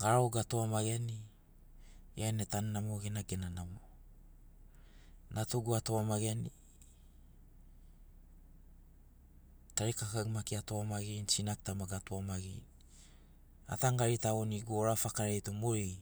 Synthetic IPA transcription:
ɡaɾaoɡatoamaɡeni | jaenetannamoɡenaɡe̞nanamo | nʔatuɡuatoamaɡeni | taɾikakaɡmakiatoamaɡint͡ʃinak̚tamaɡatoamaɡi | a̰taŋɡaɾitaoniɡuoɾafakaɾejtomoi

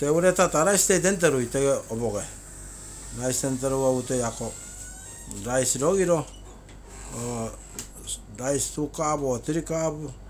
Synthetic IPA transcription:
keuɾe̞tataɾajste̞jt̬e̞nt̬e̞ɾujte̞ɡeoboɡe̞ | ɾajstenteɾuautejako | ɾajsɾo̞ɡiɾo̞ | o | ɾajstukabotiɾikabu

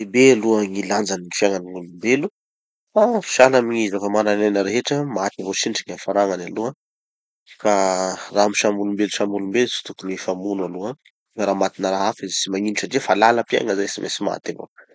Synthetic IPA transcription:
ebealuaŋiland͡zaniŋifjaŋaniŋulumbelu | fafi̥ʃalamiɲizafəmananenəɾeɦeʈ͡ʂəmat̪ivot͡ʃiɳʈ͡ʂiɲafaɾaŋanalua | karamiʃamulumbeluʃamulumbelut͡si̥t̪ukunefamunalua | efaɾaːmat̪inəɾaɦafizesimaɲiniuʈ͡ʂaɖ͡ʐefalaləpia̰ŋəzajsimʔḛsima̰t̪avo̰

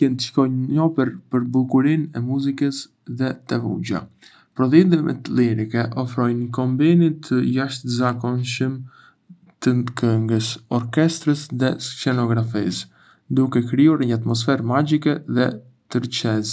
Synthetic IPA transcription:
ɛnkɔjəɔpɛɾpəɾbulkuɾinɛmuzikəs | ðɛt̪ɛvṵɟa̰ | pɾɔðind̪imɛ̰t̪liɾikɛʔɔfɾɔjnkɔmbinit̪ʰəjaʃt̪zakɔnʃəm | t̪ənd̪kʰəŋɡəsɔɾkɛst̪ɾəsðɛssɛnɔɡɾafis | d̪ukɛkɾiuɾɛɲəat̪mɔs̬fɛɾmaɟikɛðɛ | t̪əɾt͡ʃɛz

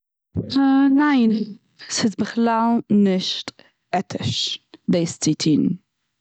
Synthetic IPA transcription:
naɪn | sɪzbəχlalˠnɪʃt | ɛtʰɪʃdeːst͡sitʰiːn

